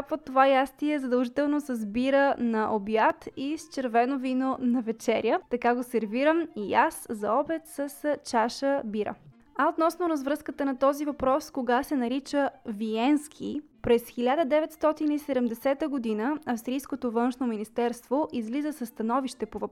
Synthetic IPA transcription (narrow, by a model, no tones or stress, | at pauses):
pvot̪ːovajast̪iɛzɐd̪əlˠʒit̪ɛlˠnosəzbiɾənɐʔobjat̪ist͡ʃɛɾvɛnovinonɐvɛt͡ʃɛɾjət̪ɐkaɡosɛɾviɾəmijaszɐɔbɛt̪səst͡ʃaʃəbiɾə̰ | ɐot̪nɔsnoɾɐzvɾɤskət̪ənɐt̪ɔzivɐpɾɔskoɡasɛnɐɾit͡ʃəviɛnskʰipɾɛsxilʲad̪əd̪ɛvɛt̪st̪ɔt̪inisɛd̪ɛmd̪ɛsɛt̪əɡod̪inəɐfst̪ɾijskot̪ovɤnʃnominist̪ɛɾst̪voʔizlizəsɐst̪ɐnɔviʃt̪ɛpovɐp